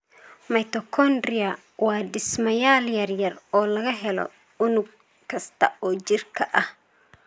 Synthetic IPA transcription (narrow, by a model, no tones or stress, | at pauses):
mɐjt̪ɔkʰɔndɾɪɐ | wɑːɖɪsmɐjaːljɐrjɐrɔːlɐɣɐɦɛlɔ̰ | ʊnʊɡ̚ | kʰɐst̪ʰɐ̰ɔːt͡ʃɪrkʰɐʔɐh